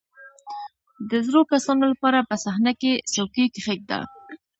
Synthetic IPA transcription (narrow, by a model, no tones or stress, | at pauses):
d̪əzɾokasɑnolapɑɾapəsahnakesawkikɪχek̚d̪a̰